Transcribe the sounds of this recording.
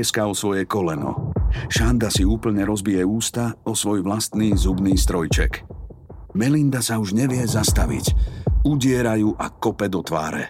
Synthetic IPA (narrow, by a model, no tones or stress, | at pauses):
ɛskaɔsʋɔjɛkɔlɛnɔ̰ʃand̪asiuːpl̩ɲɛɾɔzbijɛuːst̪aɔsʋɔjʋlast̪niːzubniːst̪ɾɔjt͡ʃɛ̰k | mɛlind̪asauʒɲɛʋɪɛzast̪aʋḭcuɟɪɛɾajuːʔakɔpɛd̪ɔt̪ʋa̰ːɾɛ̰